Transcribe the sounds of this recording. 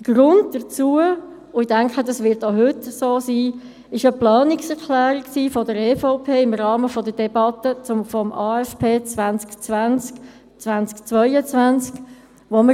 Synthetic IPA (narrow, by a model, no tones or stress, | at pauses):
d̥əɡ̥ɾʊnd̚d̥ət͡suə | ʊidɛŋkχədɑsʋɪɾtoɦʏtsoːsiː | ɪʃəplɑːnɪksɛɾklæːɾiksiːfɔdəɾɛːfoʊpʰeːɪmɾɑːməfɔdəd̥ɛbɑtət͡sʊmfɔmɑːɛspʰeːt͡sʋænt͡skt͡svænt͡sk | t͡svænt͡skt͡sʋœɪət͡sʋænt͡sk | ʋomə